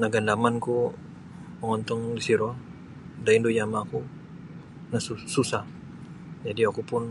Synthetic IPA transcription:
naɡanlamanku | pəŋɔnt̪ɔŋdisiɾɔ | daindujamaku | nasususah | d͡ʒadiakupʊn

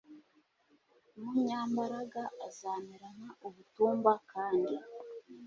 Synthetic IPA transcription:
muɲaːmbaɾaɡaʔːzaːmiɾanaʔuβutuːmbakaːndi

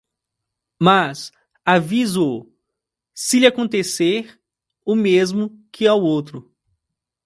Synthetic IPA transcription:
mas | avizo | sɪlɪakõnt̪eseɾ | ʊmezmʊkʰɪawowt̪ɾʊ

